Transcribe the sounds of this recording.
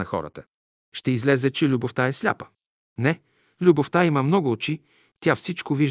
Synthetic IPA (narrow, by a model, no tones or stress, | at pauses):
ɐxɔ̰ɾə̰t̪ə̥ | ʃt̪ɛizlɛzɛt͡ʃɛlʲuboft̪aɛslʲa̰pə̥ | nɛ | lʲuboft̪aiməmnɔɡʊɔt͡ʃi | t̪ʲafsit͡ʃkoviʒ